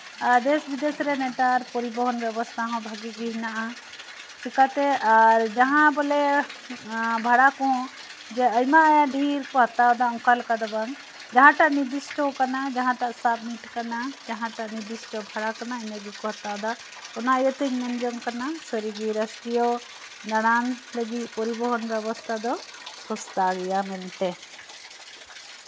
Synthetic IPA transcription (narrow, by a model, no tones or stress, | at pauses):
ad̪esbid̪esɾeneʈaɾpɔɾibɔɦɔnbɛbɔst̪ʰaɦɔ̃bʱəɡibiɦnaʔ | t̪ʰikat̪eaɾd͡ʒəɦãbəle | bʱəɽakɔ̃ | d͡ʒeəjmajaɖʱiɾkoɦət̪aɦd̪aũkalkad̪əban | d͡ʒəɦãʈanid̪isʈɔkanad͡ʒaɦãʈaʔsab̚miʈkanad͡ʒaɦãʈaʔnid̪isʈɔbʱaɽakanaəjmɛɡikɔɦɐt̪ad̪a | ɔnajɔt̪iɲmɛnd͡ʒɔŋkanasəɾiɡiɾəsʈijɔ | d̪aɽ̃anləɡipɔɾibɔɦɔnbɛβɔst̪ʰad̪ɔkʰɔst̪aɡɛjamɛnʈɛ